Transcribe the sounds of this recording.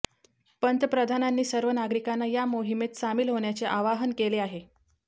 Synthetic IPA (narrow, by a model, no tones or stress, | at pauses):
pənt̪əpɾəd̪ʱananːiːsəɾʋənaɡɾikanːajamoɦimet̪samiːlɦoɳjat͡seʔaʋaɦənkeleaɦe